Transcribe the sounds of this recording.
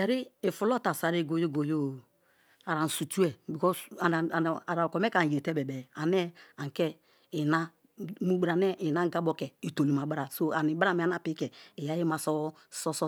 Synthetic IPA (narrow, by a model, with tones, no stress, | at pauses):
ɛ˨ɾi˦i˨fu˨lɔ˦ta˨sa˨ɾi˦˨ɡo˨jo˦˨ɡo˨jo˦˨ | a˨ɾa˨n̩˨su˨t͡ʃu˦ɛ˨bi˨kɔ˦sa˨a˨ɾa˨kɔ˨mɛ˦ka˨n˨je˨tɛ˦bɛ˨bɛ˨a˨nɛ˦a˨ŋ˨kɛ˦ | i˨na˦ | mu˦ɡ͡bɾa˨nɛ˦ʔi˨na˦ŋ˦ɡa˦bɔ˦kɛ˨i˨to˨li˨m˨a˨ba˦ɾa˨so˦a˨ni˨ba˦˨mi˨˦n˦a˦˨pi˦kɛ˨i˨ja˦ji˦ma˨sɔ˦ | sɔ˦sɔ˦